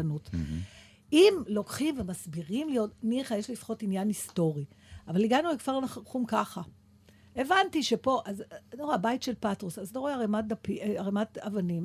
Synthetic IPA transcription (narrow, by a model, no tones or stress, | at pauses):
anut | ʔimlo̞kχimve̞masbiʁimlijo̞tniχajeʃlilifχo̞tinjanisto̞ʁiavaliɡanuvekv̥aʁnaχaχumkaχa | e̞vantiʃe̞po̞ʔaznoʁaːbajtʃe̞lpatʁosazloʁoeaʁemat̚d̪apiaʁematavanim